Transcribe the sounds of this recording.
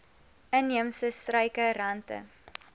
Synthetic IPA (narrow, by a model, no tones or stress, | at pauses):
ənːiəmsəstrœjkəɾɐntə̰